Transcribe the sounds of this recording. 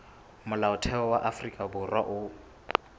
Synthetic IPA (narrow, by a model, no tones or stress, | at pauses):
mʊlaʊtʰɛɔwaʔafrikʼabʊrwaʔʊ